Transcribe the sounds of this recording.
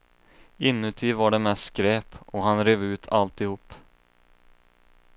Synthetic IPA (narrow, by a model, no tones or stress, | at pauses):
ɪnːɵt̪ʰiːvaɖɛmɛskɾeːpɔɦanɾeːvʉ̟ːt̪ʰalt̪ɪhuːp